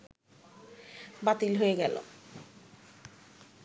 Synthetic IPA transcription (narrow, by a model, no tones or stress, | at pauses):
bat̪ilɦoeɡɛlo̰